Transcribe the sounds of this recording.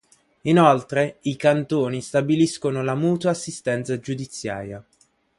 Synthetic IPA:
inɔlt̪ɾeikant̪oːnist̪abiliskonolamuːt̪waːsːist̪ɛnt̪sad͡ʒud̪it̪sːja̰ːɾja

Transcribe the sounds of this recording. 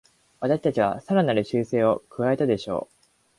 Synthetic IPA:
βat̪aɕi̥t̪at͡ɕiβ̞a̰saɾanaɾɯ̟ɕɨːse̞ːo̞kɯ̟βae̞t̪ad̪e̞ɕo̞̰ː

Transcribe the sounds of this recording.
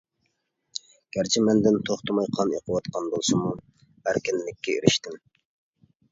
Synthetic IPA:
ɡ̥ʲæɾt͡ʃʰimɛnd̪ɪnt̪ʰoχt̪ʰɨmɑjqʰɑnḛqʰəwɑt̪qʰɑnbolˠsɨmu | æɾkʲɪnlɪkʲːɛḛɾɪʃt̪ɪm

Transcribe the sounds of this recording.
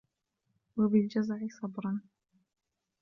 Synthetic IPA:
wabɪld͡ʒazaʕisɑbɾɑn

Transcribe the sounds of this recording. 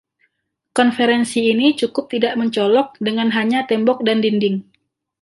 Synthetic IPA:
kɔnfɛɾɛnsiːnit͡ʃukʊp̚t̪idaʔməɲt͡ʃɔlɔk̚dəŋanɦaɲat̪ɛmbɔk̚dandindɪŋ

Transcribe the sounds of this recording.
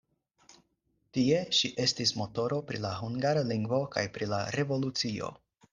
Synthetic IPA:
tie̞ʃiʔe̞stismo̞to̞ɾo̞pɾilaɦuŋɡaɾaliŋɡvo̞ka̰jpɾilaɾe̞vo̞lut͡sio̞̰

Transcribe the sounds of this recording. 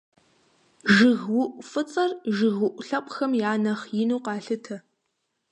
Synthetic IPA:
ʒɪɣwʊʔʷʼfɨt͡sʼɐrʒɨɣʊʔʷɬɐpʷʼxɐmjaːnɐχjɪnuːqɑːɬɨtʰɐ

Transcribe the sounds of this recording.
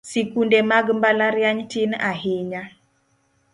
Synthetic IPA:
sikundemaɡmbalaɾjaɲtɪnaɦɪɲa

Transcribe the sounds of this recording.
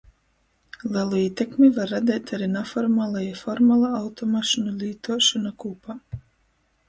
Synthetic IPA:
lˠɛlˠuiːt̪ɛkmʲivaɾːad̪ʲɛjt̪ʰaɾinafɔɾmaːlˠajafɔɾmalˠaawt̪ɔmaʃɔnulʲiːt̪uɔʃɔnakupa

